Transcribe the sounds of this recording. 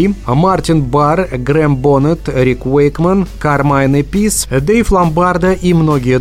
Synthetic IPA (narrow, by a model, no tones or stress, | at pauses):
mart̪ʲinbarɡrembonət̪ɾʲikwejkmənkarmajnɨpʲisd̪ejflˠambard̪əʔimnoɡʲije